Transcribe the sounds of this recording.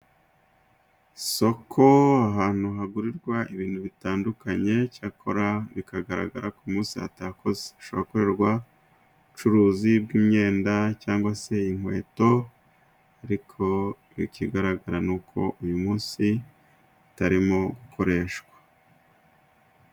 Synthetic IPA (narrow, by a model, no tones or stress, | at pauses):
so̞kʰo̞aɦaːn̥uɦaɡuɾiɾɡwaʔiβiːn̥uβitaːndukaɲe̞cakʰo̞ɾaβikaɡaɾa̰ɡa̰ɾakumuːnsia̰takʰo̞ze̥ʃoβakoɾe̞ɾɡwa | ut͡ʃuɾuːzibɡiːmɲe̞ːndacaːŋɡwase̞iŋ̥we̞̰ːto̞ | aɾikʰo̞ | βḭkiɡaɾaɡaɾanuːkʰo̞̰ʔujumuːnsi | taɾimo̞ɡukʰo̞ɾe̞ːʃɡwḁ